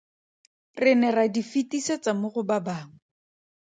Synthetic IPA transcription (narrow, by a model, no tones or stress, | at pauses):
rɪnɛradifitiset͡samʊɣʊbabaːŋ̩